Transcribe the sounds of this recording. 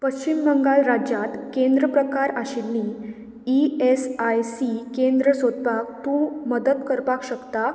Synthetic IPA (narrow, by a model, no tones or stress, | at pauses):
pəɕt͡ɕimːəŋɡalɾad͡ʑat̪kẽnd̪ɾəpɾəkaɾaɕinːi | iesajsikẽnd̪ɾəsod̪̚pak̚t̪ũməd̪əd̪kəɾpakɕəkt̪a